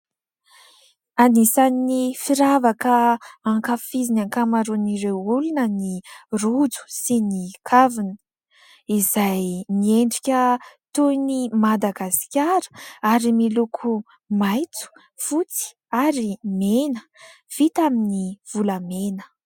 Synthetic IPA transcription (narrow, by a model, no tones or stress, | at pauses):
anisannifiɾavakəaŋkafizinaŋkamaɾuniɾewulunənirud͡zu̥sinikʰavinə̥ | izajnieɳɖ͡ʐikʲət̪unimad̪aɡaskʲaɾə̥aɾimilukʰu | majt͡su̥ | fut͡si̥ | aɾimenə | v̥it̪aminiv̥uləmenə̥